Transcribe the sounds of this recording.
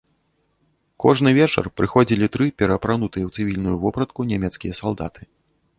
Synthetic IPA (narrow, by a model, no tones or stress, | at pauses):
kɔ̰ʐnɨvʲɛt͡ʂɐ̰rpɾɨxɔd͡zʲilʲit̪ɾɨpʲɛɾɐpɾanut̪ɨjɛwt̪sɨvʲilʲnujuvɔpɾɐt̪̚kunʲɛmʲɛt̪skʲijɐsalˠd̪a̰t̪ɨ̥